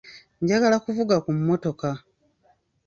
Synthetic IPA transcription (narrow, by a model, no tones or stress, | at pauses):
ɲɟaɡalakuvuɡakumːo̞to̞ka